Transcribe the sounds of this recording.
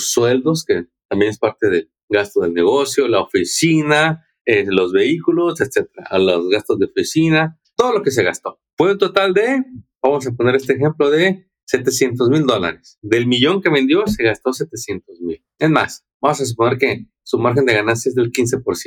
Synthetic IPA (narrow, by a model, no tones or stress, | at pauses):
osːwe̞ld̪o̞ske̞t̪ambje̞nespaɾt̪e̞ðe̞ | ɡast̪oðe̞lne̞ɣo̞sjo̞laofisina | elo̞zβe̞ikulo̞set̪se̞t̪eɾa̰lozɣast̪o̞zðeofisina | t̪o̞ðo̞lo̞ke̞s̬e̞ɣast̪o̞ | fweut̪o̞t̪ald̪e̞bamo̞s̬ap̬o̞ne̞ɾest̪eːxe̞mplo̞ðe̞ | se̞t̪e̞sje̞nt̪o̞zmild̪o̞la̰ɾe̞sðe̞lmiʝo̞ŋke̞βe̞nd̪jo̞se̞ɣast̪o̞s̬e̞t̪e̞sje̞nt̪o̞zmil | enma̰s | bamos̬as̬upone̞ɾke̞ | sumaɾxe̞nd̪e̞ɣ̞anans̬jaezðelkins̬e̞po̞ɾsj